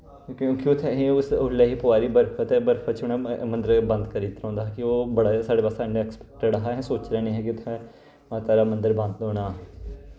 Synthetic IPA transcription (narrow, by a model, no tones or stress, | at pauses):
kjõːkiʊt̪ʰːɛɦeʊsʊlɛːɦiːpʊaːɾiːbəɾpʰət̪ɛːbəɾpʰət̪t͡ʃʊɳɛ̃ːmənd̪əɾbə̃nd̪kəɾiːt̪ɾãːnd̪aːɦɛːkɪoːbəɽaːsaːɖeːpaːsaːnẽɛkspɛk̚ʈəɽəɦaɦɛ̃ːsoːt͡ʃɾɛːnĩːɦɛːkɪʊt̪ʰːɛ̃ː | t̪aːɾaːmənd̪əɾbə̃nd̪ɔːɽaː